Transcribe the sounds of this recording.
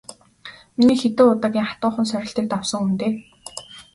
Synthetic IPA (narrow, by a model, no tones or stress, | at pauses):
miniːxet̪ɘ̆ʊt̪aːkʲiːŋχḁt̪ʊːχə̆nsœɾʲɪ̆ɬt̪eːk̚t̪awsɞ̆ŋunt̪eː